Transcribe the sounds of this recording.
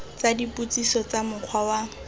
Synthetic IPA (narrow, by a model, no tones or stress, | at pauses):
t͡sadiput͡sisɔt͡samʊq͡χʰwawa